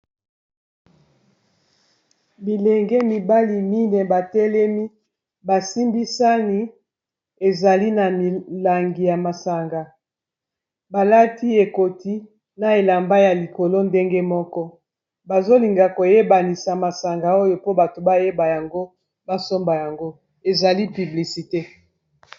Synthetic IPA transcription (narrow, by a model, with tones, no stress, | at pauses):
bi˨lɛ˨ŋɡɛ˦mi˨ba˦li˨mi˦nɛ˨ba˨tɛ˦lɛ˦mi˦ | ba˨si˦mbi˦sa˦ni˦ | e˨za˨li˦na˨mi˨la˨ŋɡi˨ja˨ma˨sa˨ŋɡa˨ | ba˨la˦ti˦e˨ko˨ti˦ | na˨e˨la˨mba˦ja˨li˨ko˨lo˦nde˦ŋɡɛ˦mɔ˦kɔ˦ | ba˨zo˦li˨ŋɡa˨ko˨je˦ba˨ni˨sa˨ma˨sa˨ŋɡa˨o˦jo˨po˦ba˨to˨ba˦je˦ba˨ja˨ŋɡo˦ | ba˦so˦mba˨ja˨ŋɡo˦ | e˨za˨li˦py˨bli˨si˨te˦